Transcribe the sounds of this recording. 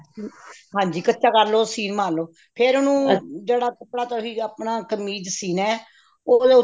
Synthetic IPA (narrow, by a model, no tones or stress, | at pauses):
ɦãːɲd͡ʒiːkətːʃʰaːkəɾloːsiːnmãːnloː | pʰeɾʊnũːd͡ʒeːɽaːkəpɽaːt̪oɦiːapɳãːkəmiːd͡ʒəsiːnɛː | oːd̪eːʊ